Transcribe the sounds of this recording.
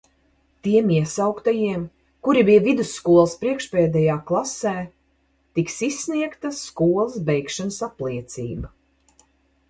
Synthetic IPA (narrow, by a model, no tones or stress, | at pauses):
t̪iɛmiɛsawkt̪ajiɛm | kuɾibijɛvid̪usːkuɔlˠspɾiɛkʃpɛːd̪ɛjaːklˠasɛː | t̪iksisːniɛkt̪ɐskuɔlˠsbɛjkʃansaplˠiɛt̪sḭːbɐ